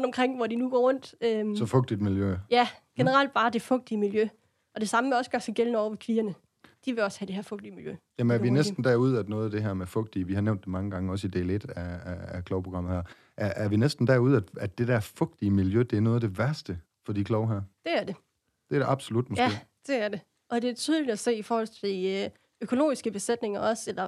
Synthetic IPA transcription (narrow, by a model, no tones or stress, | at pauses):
ʁɔnd̥ɒ̽mkʰʁeŋ̰ʋɒdinuɡ̥ɒ̰ːʁɔ̽n̰d̥øsɒ̽fɔ̽ɡ̥̚d̥id̥miljøjæɡ̥enəʁɑ̈l̰d̥̚b̥ɑ̈ːd̥e̝fɔ̽ɡ̥̚d̥iəmiljø | ʔɒ̽d̥e̝sɑ̈məmeɒ̽sɡ̥ɶɐsæɡ̥elnəɒ̰ʊ̰ɐʋekʰʋiːɐnə | d̥iʋe̝ɒ̽shæd̥e̝hæɐfɔ̽ɡ̥̚d̥iəmiljøjæmənæɐʋinesd̥n̩d̥æɐuð̞̰ˠæd̥nɔ̽ːð̞̩ˠæd̥e̝ɦæɐmefɔ̽ɡ̥̚d̥iəʋihɑ̈neʊ̰nd̥emɑ̈ŋəɡ̥ɑ̈ŋəɒ̽sid̥e̝led̥æːkʰlɒʊpʰʁo̝ɡ̥ɑ̈m̰ð̩ˠhæ̰ɐ̰ | ʔæɐʔæɐʋinesd̥n̩d̥æɐuð̞̩̰ˠæd̥æ̥e̝d̥æɐfɔ̽ɡ̥̚d̥iəmiljød̥e̝æɐnɔːð̞ˠd̥e̝ʋæɐsd̥ə | fɒ̽d̥ikʰlɒʊɦæɐ̰d̥e̝æɐd̥e̝ | d̥eɐɾ̥eʔɑ̈b̥solud̥mojɡæe̝̰d̥e̝æɐd̥e̝ | ʔɒ̽d̥e̝æt͡sʰyð̞ˠlid̥æse̝̰ːifɒːhɒ̽l̰t͡sʰe̝i | økʰo̝lo̝̰ːisɡ̥əb̥e̝sed̥ne̝ŋɐɒ̽selɐ